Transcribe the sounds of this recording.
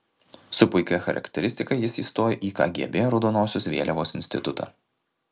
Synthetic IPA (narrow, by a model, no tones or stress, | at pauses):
sʊpʊɪkʲɛxɐ̰ɾʔɐ̰kʲt̪ʲɛɾʲɪst̪ʲɪkɐɪjɪsiːst̪oːjɛʔiːkɑ̰ːɡʲḭɛbʲeːjoɾɔʊd̪oːnoːsʲʊsʋʲḛːlʲɛʋoːsɪnʲsʲt̪ʲɪt̪ʊt̪ɑ̰ː